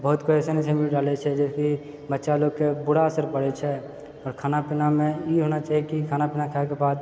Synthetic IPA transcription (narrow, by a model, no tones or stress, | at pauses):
bəɦʊt̪koɛːsenisemiɖaːlet͡ʃʰɛd͡ʒɛːski | bətːʃaloːɡkebʊɽaəsəɾpəɽet͡ʃʰɛ | ɔːɾkʰaːnapɪnamẽjeɦoːnat͡ʃaːɦiekikʰaːnapɪnakʰaekebaːd̪